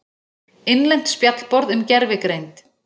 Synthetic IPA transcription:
ɪnlɛn̥t̪spjat̪lpɔɾðʏmcɛɾvɪkɾejnt̪

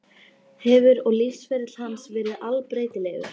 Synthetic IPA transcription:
hɛvʏɾɔɣlifsfɛɾɪt̪l̥hansvɛːɾɪðalpɾeːjt̪ɪlɛɣʏ̰

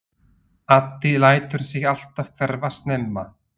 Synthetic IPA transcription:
at̪ːilaːjt̪ʏɾ̥sɪɣal̥t̪av̥kʰvɛɾvast̪nɛmːa

